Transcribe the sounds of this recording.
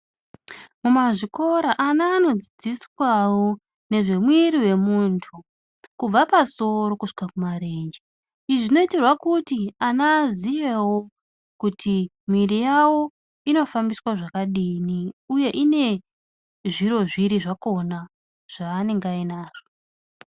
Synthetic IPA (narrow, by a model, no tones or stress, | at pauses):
mumaʐiko̞ɾaʔanaːno̞d͡zid͡ziswawo | ne̞ʐe̞mwiɾiwe̞muntʰu | kub͡vapaso̞ɾo̞kuʂi̥kakumaɾe̞nd͡ʒe | iʐino̞itirwakutianazijewo | kutʰi | mwirijawo̞ | ino̞fambiswaʐakaɗiːniuje̞ʔine̞ | ʐiɾo̞ʐiɾiʐakona | ʐ̥aːne̞ŋɡainaːʐ̥o